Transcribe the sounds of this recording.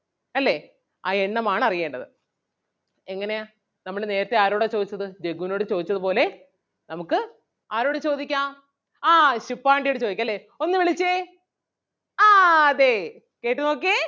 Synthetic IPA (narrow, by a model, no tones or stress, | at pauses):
ɐlːe̞ | aːeɳːɐmaːɳɨɐrijeːɳɖɐðɨ | eŋːɐne̞a | nɐmːɐɽene̞ːɾɐt̪ːe̞aːɾoːɽet͡ɕo̞ːd̪it͡ɕːɐðɨd͡ʑeɡuno̞ːɽɨt͡ɕo̞ːd̪it͡ɕːɐðɨpo̞ːle̞ | nɐmukːɨ | aːɾo̞ːɽet͡ɕo̞ːd̪ikʲːaː | aːɕipːaːɳɖijoɽɨt͡ɕo̞ːd̪ikʲːɐlːe̞ | o̞nːɨʋeɭit͡ɕːe | aːɐðe̞ | ke̞ːʈːɨnoːk̬ːe